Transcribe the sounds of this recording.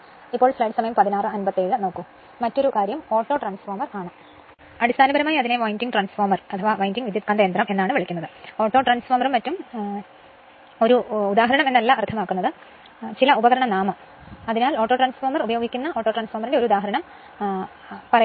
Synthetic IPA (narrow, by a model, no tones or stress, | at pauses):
ipːoːɭslɐjɖɨsɐmɐjɐmpɐðinaːrɨɐnbɐt̪ːeːɻɨno̞ːkːumː | ɐtːo̞ɾukaːɾjɐmo̞ːʈːo̞ːʈraːnsformɐraːɳɨ | ɐɽist̪ʰaːnɐbɐɾɐmaːjiɐðine̞ʋoːjindiŋɡʈraːnsfoːrmɐrɐt̪ʰɐʋaːʋɐjndiŋʋid̪ʱjɐt̪kɐnd̪ɐjnd̪rɐme̞nːaːɳɨʋɐɭikʲːunːɐðɨo̞ːʈːo̞ːʈraːnsformɐrumɐtːum | o̞ɾuːd̪aːɦɐɾɐɳɐmenːɐlːɐɐrt̪ʰɐmaːkːunːɐðɨ | t͡ɕilɐubɐɣɐɾɐɳɐnaːmɐ | ɐðinaːloːʈːoːʈraːnsformɐrubɐjo̞ːɡikʲːunːɐʔoːʈːoʈraːnsformɐrinde̞ɾud̪aːɦɐɾɐɳɐm | pɐrɐj